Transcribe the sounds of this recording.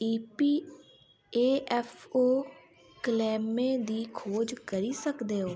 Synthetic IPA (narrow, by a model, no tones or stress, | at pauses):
iːpiː | eːʔɛpʰoː | kəlɛːmẽːd̪iːkʰoːd͡ʒkəɾiːsəkd̪eːɦoː